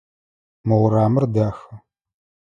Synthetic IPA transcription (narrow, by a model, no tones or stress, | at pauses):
mɐʁʷɾaːmɨrdaːxɐ